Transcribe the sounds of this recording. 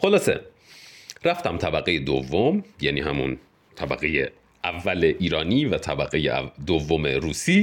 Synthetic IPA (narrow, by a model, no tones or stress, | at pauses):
xo̞lɒːse̞̰ | ɾæft̪æmt̪ʰæbæɣejed̪ovːomjæniːɦæmṵn | t̪ʰæbæ̰ɣeje | ʔævːæleʔiːɾɒːniːvæt̪ʰæbæɣejḛd̪ovːomeɾuːsiː